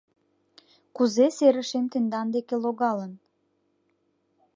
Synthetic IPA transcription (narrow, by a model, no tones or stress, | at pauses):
kuzeseɾəʃemt̪end̪ɑnd̪ekeloɣɑlən